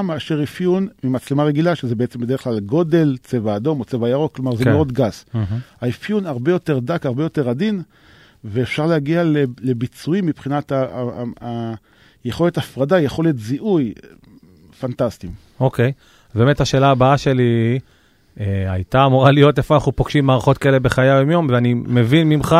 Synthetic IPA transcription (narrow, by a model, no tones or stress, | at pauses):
meaʃeʁifjunmimat͡slemaʁeɡilaʃezebeet͡se̞mbedeeχlalɡo̞de̞lt͡se̞vaːdo̞mo̞t͡se̞vajaʁoklo̞maʁzeoodɡasaifjunaʁbe̞jo̞te̞ʁdakaʁbe̞jo̞te̞ʁadin | veefʃaʁleaɡialele̞bit͡suimːipχinat̪aː | jeχo̞le̞tafʁadajeχo̞le̞tziʔuj | fantastim | o̞ke̞j | beːme̞thaʃe̞ːlaːbaaʃe̞li | eajtaːmuʁalijo̞t̪efoanaχnupoɡʃimːaːʁaχo̞t̪kaele̞be̞χajaomjo̞mveanimevinmimχa